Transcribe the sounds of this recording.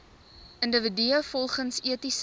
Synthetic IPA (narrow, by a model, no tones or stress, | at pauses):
ʔəndəvədyəfɔlˠχənsiətis